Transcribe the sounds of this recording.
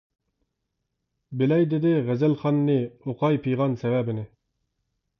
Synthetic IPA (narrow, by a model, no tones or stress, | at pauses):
bɪlɛjd̪ɪd̪ɪʁæzælχɑnːɨoqɑjpʰijʁɑnsɛvæbɪnɪ